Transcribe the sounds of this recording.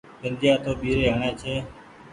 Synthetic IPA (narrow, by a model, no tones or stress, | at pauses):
pənd͡ʒ̪ɪjãːt̪ʰoːɓiːɾeːɳẽːt͡ʃʰeː